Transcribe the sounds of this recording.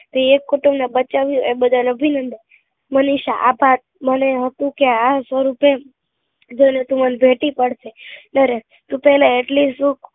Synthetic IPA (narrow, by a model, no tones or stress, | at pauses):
t̪eekːoʈumnabət͡ʃaʋjũebəd̪ʱaləbʱinənd̪i | məniʃaʔabʱat̪̚məneɦət̪ũkeasʋəɾupe | d͡ʒoinet̪ũmənbʱeʈipəɽʃenəɾe | t̪ũpɛɦlaeʈlisũk